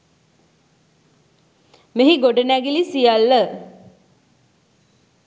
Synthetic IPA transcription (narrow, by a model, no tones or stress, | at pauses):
meɦiɡoɖənæɡilisijalːə